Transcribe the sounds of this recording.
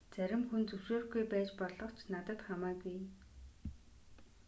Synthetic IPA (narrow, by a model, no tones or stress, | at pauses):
t͡sæɾʲɪ̆mxunt͡sɵwʃeːrɡujpæːt͡ɕpɔɮɞ̆χt͡ɕʰnat̪ə̆t̪χamæːɡuj